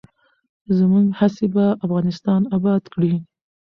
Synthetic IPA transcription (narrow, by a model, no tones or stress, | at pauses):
zəmuɡhasebaafɣɑnɪst̪ɑnabɑd̪kɽi